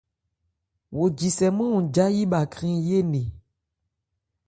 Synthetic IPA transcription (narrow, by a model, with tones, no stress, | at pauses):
wo˨d͡ʒi˨sɛ˨mɔ̃˦ũ˨d͡ʒa˦ji˦ba˨kɾĩ˦je˦nẽ˨